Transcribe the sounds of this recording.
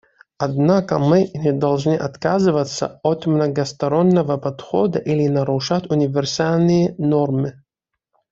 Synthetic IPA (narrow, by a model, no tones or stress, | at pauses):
ɐd̪nakəmɨnʲɪd̪ɐlˠʐnɨʔɐt̪kazɨvət̪sə̰ot̪mnɐɡɐst̪ɐɾonːəvəpɐt̪xod̪əʔilʲɪnɐɾʊʂatʲʊnʲɪvʲɪrsalʲnɨjənormɨ